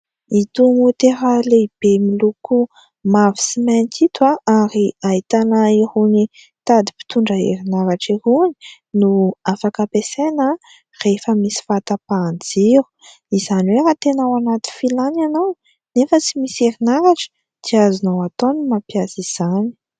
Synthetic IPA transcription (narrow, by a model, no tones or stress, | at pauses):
it̪umut̪eɾəleib̥emiluku | mavi̥simank̪ʰit̪aaɾiaɦit̪anaiɾuni | t̪ad̪ipi̥t̪uɳɖ͡ʐəḛɾinaɾaʈ͡ʂiɾuni̥ | nuafakəpesenə | refəmisi̥fat̪apand͡ziɾu̥ | izaniweɾat̪enawanat̪i̥filananow | nefət͡simiseɾinaɾaʈ͡ʂə̥ | t̪iazinowat̪onumapjasiz̥ani̥